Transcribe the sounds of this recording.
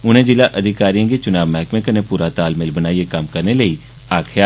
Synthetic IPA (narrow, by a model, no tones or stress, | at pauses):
ʊnẽd͡ʒɪlaʔɐd̪ʱɪkaːɾijãket͡ʃʊnaːbmɛːkmẽkənẽpuːɾat̪aːlmɪlbənaːiekɐmkəɾneləi | aːkʰjaː